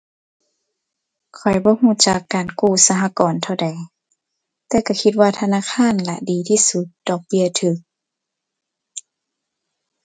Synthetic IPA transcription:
kʰɔ˨˩jbɔː˧˦huː˧˩˨t͡ɕa˧˦kːaː˨˩nkuː˧˩sa˧ɦa˧˥kɔː˨nt̪ʰa˧˩wda˨˩j | t̪ɛː˧˩ka˧˩kʰi˧t̪̚waː˧˩t̪ʰa˧naː˧˥˨kʰaː˧˥˨nla̰˧diː˨˦t̪ʰiː˧˨su˧˦t̪̚dɔː˨˧k̚bi˧˩ət̪ʰɯː˧˦k̚

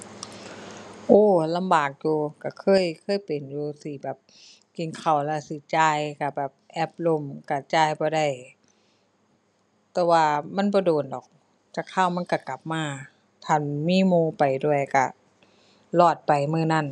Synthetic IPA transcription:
ʔoː˧˩la˧˨mbaː˨˩k̚juː˧˩ka˧˩kʰɤː˧˥˨jkʰɤː˧˥˨jpe˨njuː˧˩si˧˩˦bɛː˨˩p̚ | ki˧˩nkʰa˨˩wlɛː˧˥si˧˦t͡ɕaː˧˩jka˧˩bɛː˨˩p̚ʔɛː˧˩p̚lo˧˩˨mka˧˩t͡ɕaː˧˩jbɔː˧˦da˧˩˨j | t̪ɛː˧waː˧˩ma˧˥˨nbɔː˧˦doː˨˩ndɔː˨˩k̚ | t͡ɕaː˧˩kʰːaː˧˥˨wma˧˥˨ka˧˩ka˨˩p̚maː˧˩ | t̪ʰaː˧˥˩nmiː˧˥˨muː˧˨pa˨˩jdu˧˩əjka˧˩ | lɔː˧˩t̪̚pa˨˩jmɯː˧˩˨na˧˥˨n

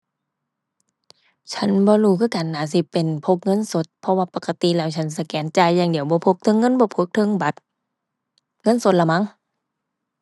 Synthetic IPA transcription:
t͡ɕʰa˧˥˨nbɔː˧˦luː˧˩kʰɯː˧˨kaː˨nːaː˨˩˦s̬i˧˦pːe˨npʰo˧p̚ŋɤ˧˥˨nso˧˦t̪̚pʰɔ˧waː˧pa˨˧˩ka˧t̪i˧˨lɛː˧˩wt͡ɕʰa˧˥ns̬a˧kɛː˨˦nt͡ɕaː˧jːaː˧˩˨ŋdi˨˦əwbɔː˧˦pʰo˧˩k̚t̪ʰɤ˧˥ŋːɤ˧˥˨nbɔː˧˦pʰo˧˦k̚t̪ʰɤ˧˥˨ŋba˧˦t̪̚ | ŋɤ˧˥˨nso˧˦t̪̚la˧˩ma˧˥˨ŋ

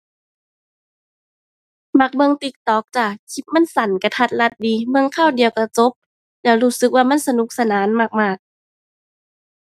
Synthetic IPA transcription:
ma˧˩k̚bɤ˧ŋt̪i˧˦k̚t̪ɔː˨˦k̚t͡ɕaː˧˩t͡ɕʰi˧˦p̚ma˧˥˨nsa˨˦nka˧˩t̪ʰa˧˩t̪̚la˧˦t̪̚diː˨˦mɯ˧əŋkʰaː˧˥˩wdi˨əwka˧˩t͡ɕo˧˦p̚ | lɛː˧˩wluː˧˩sɯ˧˦k̚waː˧ma˧˥˨nsa˧nu˧˦k̚sa˧naː˨˦nma˧˩k̚maː˧˩k̚

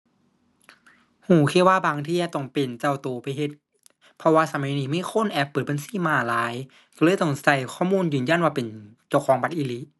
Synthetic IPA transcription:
huː˨˩kʰeː˧˥˨waː˧˥˩baː˧ŋt̪ʰiː˧˩a˨t̪ɔ˧˩ŋpe˨˩nt͡ɕa˧˩wt̪oː˨˩pa˧jɦe˧˦t̪̚ | pʰɔ˧waː˧sa˧ma˨˦jniː˧˦mi˧˥˨kʰo˧˥˨nʔɛ˧˦˥pːɤː˨˩t̪̚ba˧nsiː˧˥˦maː˧˩laː˨˦˥j | ka˧lɤː˧˥˨jt̪ɔ˧˩ŋsa˧˩jkʰɔː˧˥˩muː˧˥˨njɯː˨˩nja˧˥˨nwaː˧pe˨nt͡ɕa˧˩˨kʰɔː˨˦ŋba˧˦t̪̚ʔiː˧li˧˥

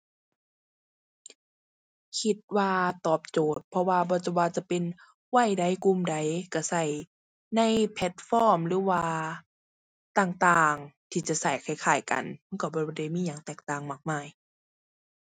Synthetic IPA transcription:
kʰi˧t̪̚waː˧t̪ɔː˨˩p̚t͡ɕoː˨˩t̪̚pʰɔ˧waː˧bɔː˧˦t͡ɕa˧˩waː˧t͡ɕa˧˦pe˨n | wa˧˩jda˨˧˩jku˧˨mda˨jka˧˩sa˧˩j | na˧˥˨jpʰɛ˧t̪̚fɔː˧˥˩mlɯː˨˧˦waː˧ | t̪aː˧˩ŋt̪aː˨˩ŋt̪ʰiː˧t͡ɕa˧˩sa˧˩jkʰa˧˩jkʰaː˨˩jka̰˨˩nma˧˥˨nka˧˩bɔː˧˦˧da˧˩jmiː˧˨ɲaː˨˩ŋt̪ɛː˨˩k̚t̪aː˨˩ŋmaː˧˩k̚maː˧˩˨j

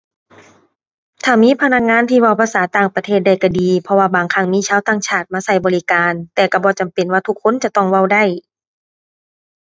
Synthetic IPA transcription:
t̪ʰaː˧˩miː˧˥˨pʰa˧na˧˥k̚ŋaː˧˥˨nt̪ʰiː˧wa˧˩˨wpʰa˧saː˨˩˦t̪aː˧˩ŋpa˧t̪ʰeː˧˩t̪̚da˧˩jka˧˩diː˨˦pʰɔ˧waː˧baː˨ŋkʰa˧˩ŋmiː˧˥˨t͡ɕʰaː˧˥˨wt̪aː˧˩ŋt͡ɕʰaː˧˩t̪̚maː˧˥˨sa˧˩jbɔː˨li˧kaː˧nt̪ɛː˨˩ka˧˩bɔː˧˦t͡ɕa˨mpe˨nwaː˧t̪ʰu˧˥kʰːo˧˥˨nt͡ɕa˧˦t̪ɔ˧˩ŋwa˧˨wda˧˩j

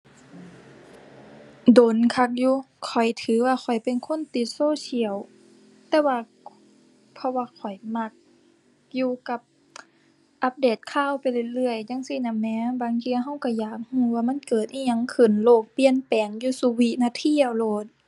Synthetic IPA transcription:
doː˨˦nkʰa˧k̚juː˧˦ | kʰɔ˨˩jt̪ʰɯː˨˦waː˧kʰɔ˨˩jpe˨nkʰo˧˥˨nt̪i˧˦t̪̚soː˧˨si˧˩ə˨w | t̪ɛː˧waː˧ | pʰɔ˧waː˧kʰɔ˨˩jma˧k̚ | juː˧ka˧˦p̚ | ʔa˧˦p̚deː˨˩t̪̚kʰaː˧˥˨wpa˨jlɯ˧˨lɯ˧˩˨əjɲa˧˥˨ŋsi˧˦˨na˧˨mnɛː˧˥baː˨ŋt̪ʰiː˧ɦa˧˩˨wka˧˩jaː˨˩k̚huː˧˩˦waː˧ma˧˥˨nkɤː˨˩t̪̚ʔi˧˩˨ɲa˧˥˨ŋkʰɯ˨˩nloː˧˩k̚pi˧˨ə˨npɛː˨˩ŋjuː˧˦su˧wi˧ʔnaː˧t̪ʰi˧˥˨əwloː˧˩t̪̚

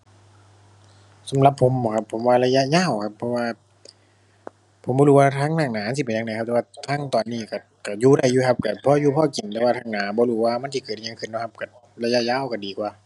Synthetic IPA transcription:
sa˨˦mla˧pʰːo˨˦m˨˩kʰa˧pʰːo˨˦mwaː˧˨la˧ja˧ʔjaː˧˥˨wkʰa˧pʰːɔ˧waː˧ | pʰo˨˦mbɔː˧luː˧waː˧˩t̪ʰaː˧˥˨ŋnaː˧˩ŋnaː˨˩˦m˧˨si˧˩pe˨na˧na˧˦kʰa˧p̚t̪ɛː˧waː˧t̪ʰaː˧˥˨ŋt̪ɔː˨˩nːiː˧˩ka˧˩ | ka˧˩juː˧ɾa˧˩jːuː˧˩kʰa˧˥p̚ka˧˩pʰɔː˧˨juː˧pʰɔː˧˩ki˨˩nt̪ɛː˧waː˧tʰaː˧ŋnaː˨˦bɔː˧˦luː˧˩waː˧˨ma˧˥˨nsʰi˧˨kɤː˨˩˨ɲa˧˨ŋkʰɯ˧˩nɔ˧˥˩kʰa˧p̚ka˧˩ | la˧ja˧˥ʔjaː˧˥˨wka˧˩diː˨˩kwaː˧˦

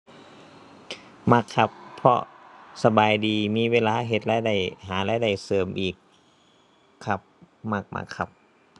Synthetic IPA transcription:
ma˧˥˩kʰːa˧pʰːɔ̰˧sa˧baː˨jdiː˨miː˧˥˨weː˧˨laː˧˥˨ɦe˧˩t̪̚laː˧˥˩jda˧˥˩jɦaː˩˦laː˧˥˩jda˧˥˩jsɤː˨˩mʔiː˨˩k | a˧˩p̚ | ma˧˩k̚mʔa̰˧˩kʰːa˧p̚

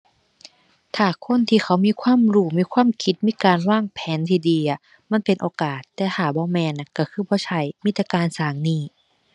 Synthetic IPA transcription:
t̪ʰaː˨˩kʰo˧˥˨nt̪ʰiː˧˨xʰa˨˦wmiː˧˥˨kʰwaː˧˥˨mɾuː˧˩miː˧˥˨kʰwaː˧˥˨mkʰi˧˦˥t̪̚miː˧˥˨kaː˨nwaː˧˥˩ŋpʰɛː˨˦nt̪ʰiː˧˩diː˨˧˦ʔa˨˧˩ | ma˧˥˨npe˨nʔoː˧kaː˨˩t̪ːɛː˧˩t̪ʰaː˨˩bɔː˧˦mɛː˧˥na˧ka˧˩kʰɯː˧˥˩bɔː˧˦t͡ɕʰa˧˩jmiː˧˥t̪ːa˧kaː˨˧˨nsaː˨˦ŋniː˧˩

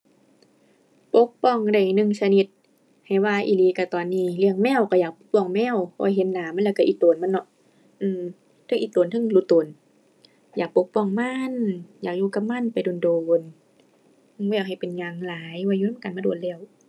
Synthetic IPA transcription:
po˧˦k̚pɔ˧˩˨ŋda˧˩jnɯ˧˨ŋsa˧ni˧t̪̚ | ha˨˩jwaː˧ʔiː˧˩liː˧˩ka˧˩t̪ɔː˨˩nːiː˧˩li˧˩əŋmɛː˧˥˨wka˧˩jaː˨˩k̚po˧˦k̚pɔ˧˩ŋmɛː˧˥˨wkɔ̰ː˧˩˦jɦe˧˦n̚naː˨˦ma˧˨lɛ˧˩˧ka˧ʔiː˧t̪oː˨˦nma˧˥˨nːɔ˧˦ | ʔɯː˧˩m | t̪ʰɯ˧˩ŋʔiː˧t̪oː˨nt̪ʰɯ˧˨ŋlu˧˦t̪oː˨˦n | jaː˨˩k̚po˧˥k̚pɔ˧˩˨ŋma˧˥˨njaː˨˩k̚juː˧˨ka˧p̚ma˧˥˨npa˨jdoː˨ndoː˨n | ʔːwɛː˧˩k̚ha˨˩jpe˨nɲa˧˩ŋlaː˨˦jwaː˧˨juː˧na˧˥˨ka˨nmaː˧du˨˩n̚lɛː˧˩˨w

